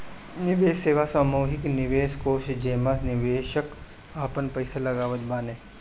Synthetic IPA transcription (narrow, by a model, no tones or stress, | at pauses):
nɪʋeːʃːeːʋasaːmuːɦɪknɪʋeːʃkoːʃd͡ʒeːmasnɪʋeːʃək | aːpənpɐɪsalɐɡaːʋət̪baːneː